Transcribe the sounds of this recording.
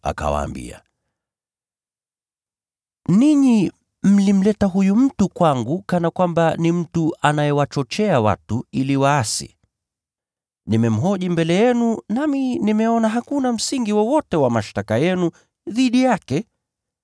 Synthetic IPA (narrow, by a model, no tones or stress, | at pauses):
a̰ka̰wa̰ːmbḭa̰ | niɲi | m̩lim̩lɛtaɦujum̩tukwaŋɡukanakwambanim̩tuanajɛwat͡ʃɔt͡ʃɛawa̰tuiliwaːsḭ | nimɛm̩ɦɔʄimbɛlɛjɛnunaminimɛɔnaɦakunam̩siŋɡiwɔwɔtɛwamaʃtakajɛnu | ðiɗijakɛ